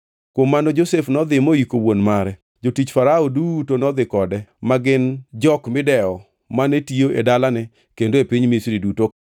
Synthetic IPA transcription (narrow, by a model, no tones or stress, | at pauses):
kwomːanod͡ʒosefnɔd̪ɪmoikowonmaɾɛ | d͡ʒotit͡ʃfaɾaodutonɔd̪ɪkɔdɛmaɡɪnd͡ʒɔkmɪdɛɔ | manetioʔedalanɛ | kendoepiɲmisɾiduto